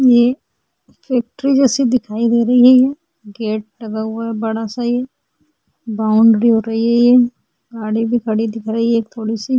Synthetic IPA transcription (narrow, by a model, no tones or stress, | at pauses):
je | fɛːk̚ʈɾid͡ʒɛːsid̪ɪkʰaːid̪eːɾɐɦiɦɛɦɛ | ɡeːʈ̚lɐɡaɦʊaɦɛbɐɽasaijɛ | baːʊ̃ɳɖɾiɦoːɾɐɦiɦɛjɛ | ɡaːɽibʱikʰɐɽid̪ɪkʰɾɐɦiɦeːk̚t̪ʰoːɽisi